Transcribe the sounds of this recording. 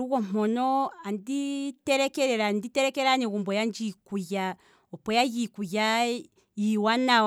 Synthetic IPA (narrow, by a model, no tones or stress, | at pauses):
uɣɔm̥ɔnɔanditɛɾɛkɛɾɛɾanditɛɾɛkɛɾanɛɣumbɔjand͡ʒikuja | ɔpɔjajikuja | jiwana